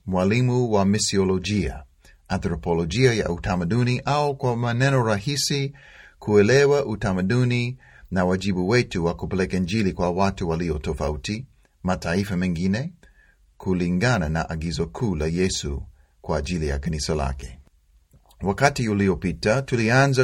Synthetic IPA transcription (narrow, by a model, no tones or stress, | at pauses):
mwalimuwamisiɔlɔʄia̰ | anθɾɔpɔlɔʄiaja̰ʔutamaɗuniʔaukwamanɛnɔɾahisi | kʰuɛlɛwaʔutamaɗuni | nawaʄiɓuwɛtuwakupɛlɛkaind͡ʒilikwawatuwaliɔtɔfauti | mataifamɛŋɡinɛ | kʰuliŋɡanana̰ʔaɡizɔkʰuːlajɛsṵ | kwaːʄilija̰kanisala̰kɛ̥ | wakatiuliɔpitatulianza